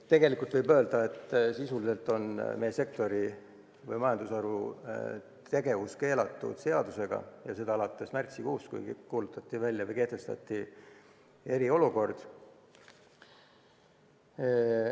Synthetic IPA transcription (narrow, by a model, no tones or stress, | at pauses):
t̪e̞ɡe̞likˑult̪vɤjbø̞ːld̪̥ɑe̞t̪ːsisulise̞lt̪ːˑo̞nmeje̞se̞k̚t̪o̞ɾi | vɤ̰jmɑjɑnd̪usɑɾu | t̪e̞ɡe̞vuske̞ːlɑt̪ːˑṵd̪̥se̞ɑd̪̥use̞ɡ̥ɑ̰jɑse̞d̪̥ɑɑlɑt̪ːˑe̞smært̪sikuːskṵjkuːlut̪ːˑɑt̪ːˑivælʲjɑvɤjke̞ht̪e̞st̪ɑ̰t̪ːˑi | e̞ɾio̞luko̞rd̪̥